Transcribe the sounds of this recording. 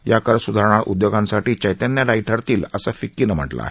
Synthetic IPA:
jakəɾsud̪ʱaɾɳ̃aɾʔṵd̪joɡãnsaʈiːt͡ɕajt̪janjaɖaiʈʰəɾt̪iːləsafikːiːnəm̤ə̰ʈla̰ːɦe

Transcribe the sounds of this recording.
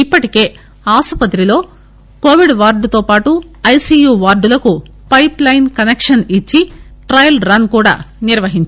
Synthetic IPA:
ipːɐʈike̞ː | aːsɐpɐt̪̬ɾilo̞ː | ko̞ːʋiɖʋaːɾɖut̪oːpaːʈu | ɐjsiːjuːʋaːɾɖulɐku | pɐjplɐjnkɐnekʂɐnit͡ʃːiʈɾɐjɐlɾɐnkuːɽa̰ːniɾʋɐɦiɲt͡ʃ

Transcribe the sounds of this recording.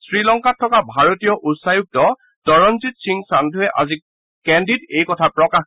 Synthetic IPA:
sɹilɔŋkatʰːɔkabʱaɹotijɔʔutsajuk̚tɔ | dɔɹɔnzitsiŋsandʱuɦɛʔa̰zi | kɛndidejkɔtʰapɹɔkax

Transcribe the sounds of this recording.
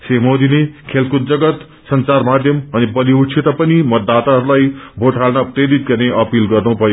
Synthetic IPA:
seɦmod̪inekʰelkut̪̚d͡zʌɡʌt̪ | sʌnt͡sarmad̪ʱjʌmʌnibʌliut͡sʰit̪apʌnimʌt̪ːat̪aɦʌɾulajbʱoʈʰalnʌpɾeɾit̪̚ɡʌɾneʔʌpilɡʌrnubʱʌjo

